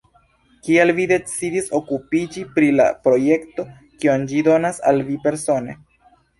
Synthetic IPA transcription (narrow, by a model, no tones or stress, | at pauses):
kialvide̞t͡sidiso̞kupid͡ʒipɾila̰pɾo̞je̞kto̞ | kiond͡ʒido̞nasa̰lvipe̞ɾso̞nḛ